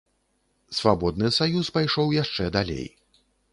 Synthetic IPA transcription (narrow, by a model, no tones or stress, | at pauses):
svabɔd̪nɨsajuspajʂɔwjaʂt͡ʂɛd̪alʲḛj